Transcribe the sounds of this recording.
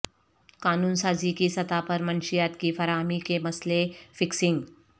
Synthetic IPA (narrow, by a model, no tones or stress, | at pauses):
kaːnuːnsaːzikisɐt̪apɐɾmɐnʃijaːt̪kifɐɾaːɦmikemɐslefɪksɪ̃ŋɡ